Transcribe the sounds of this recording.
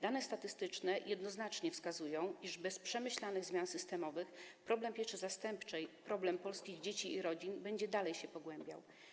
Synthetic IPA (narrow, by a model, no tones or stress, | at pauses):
d̪anɛst̪at̪ɘst̪ɘt͡ʂnɛjɛd̪nɔznat͡ʂɲɛfskazujɔ̃w̃iʐbɛspʂɛmɘɕlanɘɣzmʲjansɘst̪ɛmɔvɘxpɾɔblɛmpʲjɛʂɘzast̪ɛmpt͡ʂɛjpɾɔblɛmpɔlskʲiɣd͡ʑet͡ɕiiɾɔd͡ʑinbɛɲd͡ʑɛd̪alɛjɕɛpɔɡwɛmbʲja̰w